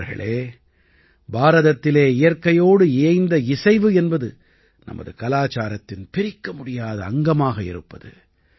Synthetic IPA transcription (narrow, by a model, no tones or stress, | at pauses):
ɾɣɐ̰ɭeː | baːɾɐðɐt̪ːɪleːɪjɐɾkɐjoːɽɯeːɪnd̪ɐɪsɐɪʋɯɛnbɐðɯ | nɐ̰mɐ̰ðɯkɐlaːt͡ʃaːɾɐt̪ːɪnpɪɾɪkːɐmʊɽɪjaːðɐːŋɡɐmaːɣɐɪ̰ɾɯpːɐðɯ̰